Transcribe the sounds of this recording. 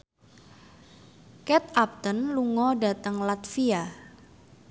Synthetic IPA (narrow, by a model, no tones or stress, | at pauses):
kɛt̪ap̚t̪ənluŋɔda̤t̪əŋlat̪fia